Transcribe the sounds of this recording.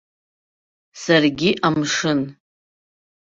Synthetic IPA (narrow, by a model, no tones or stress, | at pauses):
sarɡʲiʔamʂɨn